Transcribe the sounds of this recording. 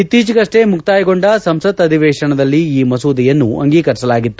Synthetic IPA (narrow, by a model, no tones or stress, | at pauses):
it̪ːiːt͡ʃiɡɐʂʈemukʰt̪aːjɐɡo̞ɳɖɐsɐmsɐt̪ɐd̪ʱiʋɛːʂɐɳɐd̪ɐlːiiːmɐsuːd̪ijɐnːuɐ̰ŋɡiːkɐɾsɐlaːɡit̪ːu̥